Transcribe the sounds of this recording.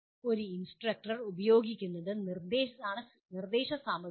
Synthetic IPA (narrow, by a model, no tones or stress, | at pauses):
o̞ɾuinsʈrɐk̚ʈɐrubɐjo̞ːɡikʲːunːɐðɨnird̪eːʃɐðaːɳɨ | nird̪e̞ːɕɐsaːmɐ